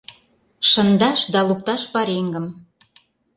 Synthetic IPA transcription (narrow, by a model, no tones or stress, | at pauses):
ʃə̆nd̪ɑʃd̪ɑluk̚t̪ɑʃpɑɾeŋɡə̆m